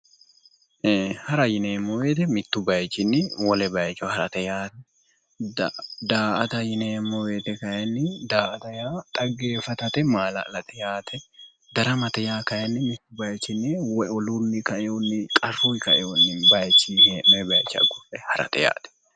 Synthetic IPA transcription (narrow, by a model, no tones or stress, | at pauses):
hɐɾɐjɪneːmːɔweːt̪ɛmɪt̪ːʊbɐjt͡ʃːɪnːɪwɔlɛbɐjt͡ʃːɔhɐɾɐt̪ɛjaːt̪ɛ | dd̪aːʔɐt̪ɐjɪneːmːɔwe̞ːt̪ɛkɐjɐnːɪd̪aːʔɐt̪ɐjaːt̪ʼɐɡːe̞ːfɐt̪ɐt̪ɛmaːlɐ̰lɐt̪ɛjaːt̪ʰɛ | d̪ɐɾɐmɐt̪ɛjaːkɐjɐnːɪmɪt̪ːʊbɐjt͡ʃːɪnːɪwɔɔlunːɪkɐʔɛjonːɪkʼɐrːujkɐʔɛjonːɪbɐjt͡ʃːihemɛbɐjt͡ʃːɐ̰ɡʊfɛhɐɾɐ̰t̪ɛja̰ːt̪ɛ̥